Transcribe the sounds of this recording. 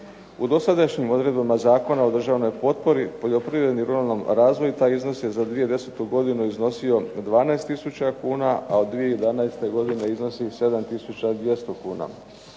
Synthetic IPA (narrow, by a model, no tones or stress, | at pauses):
ud̪o̞sad̪aʃɲimo̞d̪ɾe̞d̪bamazaːko̞nao̞d̪r̩ʒaʋno̞jpo̞t̪̚po̞ɾipo̞ʎo̞pɾiʋɾe̞d̪niɾuɾalno̞mɾaːzʋo̞jut̪aːjizno̞sje̞zad̪ʋije̞d̪e̞set̪uɡo̞d̪inuizno̞sio̞d̪ʋaːnaest̪isut͡ɕakuːnaʔao̞d̪ːʋijejed̪anaest̪e̞ɡo̞d̪ine̞izno̞sise̞d̪amt̪isut͡ɕad̪je̞st̪o̞kuːna̰